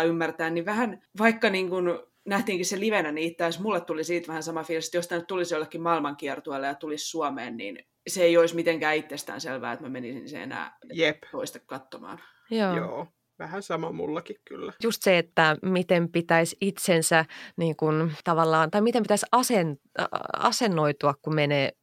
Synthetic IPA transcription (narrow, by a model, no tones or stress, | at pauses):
ymːært̪æːnniʋæhænʋɑikːɑniːŋkun | næht̪iːŋkisseliʋenæniit̪ːæːsmulːet̪t̪ulisiːt̪ʋæhænsɑmɑfilsi̥t̪josit̪ænyt̪t̪ulisjolːekːimmɑilmɑŋkiɛrt̪uelːejɑt̪ulissuɑmḛːnnḭːn | seeioismit̪eŋkæːit̪ːest̪æ̰ːnselʋæ̰ːet̪mæmenisinsḛḛnæ̰ːjeptoist̪ekkɑt̪ːomɑ̰ːn | joːjoː | ʋæhænsɑmɑmṵlːɑkikky̰lːæjust̪seet̪ːæmit̪empit̪æisit̪sensæniːŋkunt̪ɑʋɑlːɑːnt̪ɑimit̪empit̪æisɑsen | ɑ̰senːoit̪uɑkkumeneː